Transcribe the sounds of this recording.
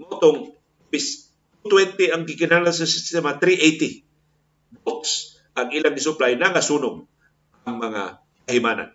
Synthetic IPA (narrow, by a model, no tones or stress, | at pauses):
mot̪oŋ | pɪs | t̪ut̪wɛnt̪ɛaŋɡɪkɪnalans̬ɐsɪst̪ɛmat̪ɾiʔejt̪i | bots | ʔaŋiːlaŋɡɪsʊplajnaŋasunʊɡ | ʔaŋmɐŋa̰ | kaɦɪmaːna̰n